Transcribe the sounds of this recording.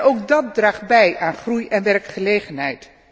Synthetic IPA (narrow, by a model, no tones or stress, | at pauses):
ʔowk̚dɑt̚draːχ̚bɛjʔaːnχrujɛnʋɛrkχəlejχənɦɛjt